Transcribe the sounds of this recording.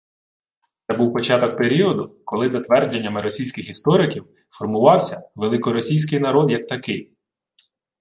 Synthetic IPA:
t̪sɛbuwpɔt͡ʃɑt̪ɔk̚pe̞ɾʲiɔd̪ʊkɔlˠɪzɐt̪ʋɛrd͡ʒe̞nʲːɐmɪɾɔsʲijsʲkʲɪxist̪ɔɾɪkʲiw | fɔrmʊʋɑwsʲɐʋelˠɪkɔɾɔsʲijsʲkɪjnɐɾɔd̪jɐk̚t̪ɐkɪj

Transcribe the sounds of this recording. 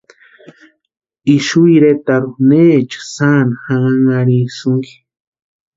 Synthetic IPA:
iʃuiɾet̪aɾuneːt͡ʃḁsanahaŋaŋaɾisuŋɡi̥

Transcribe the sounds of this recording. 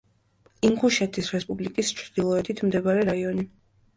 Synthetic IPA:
iŋkʰuʃɛt̪ʰisɾɛspʼublikʼist͡ʃʰɾd̪̥ilˠɔɛt̪ʰit̪ʰmd̪ɛbaɾɛɾaiɔni

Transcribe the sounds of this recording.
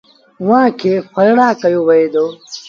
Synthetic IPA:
wãːkʰexɐɾɽaːkɐjowɐed̪oː

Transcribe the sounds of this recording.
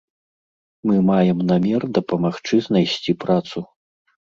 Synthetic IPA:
mɨmajɛmnamʲɛrd̪ɐpɐmaxt͡ʂɨznajsʲt͡sʲipɾat̪su

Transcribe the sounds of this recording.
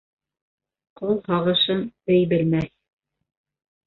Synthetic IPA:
qulˠhɑʁɤ̆ʃɤnɘ̆jbɘ̆lmæθ

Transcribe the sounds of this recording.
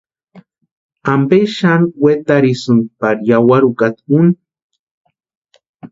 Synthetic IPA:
ambeʃanwet̪aɾisɨn̚paɾjawaɾukat̪kun

